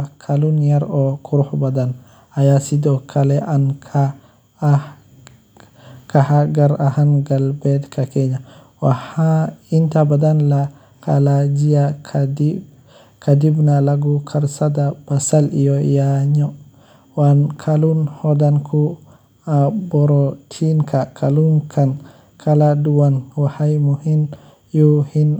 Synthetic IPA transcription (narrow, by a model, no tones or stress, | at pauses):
kʰalunjaɾɔkuɾhbadan | ajasidɔkʰalɛʔankʰa | kahaɡaɾahanɡalbɛdkʰakɛɲa | wahaintabadanla | kalad͡ʒijakʰdi | kadibnalaɡukʰaɾsadab̥asalḭjɔjaɲɔ | wankʰalunhɔdankʰu | abɔɾɔtʰinkʰakʰalunkʰan | kʰaladuwanwahajmuhin | jɔhin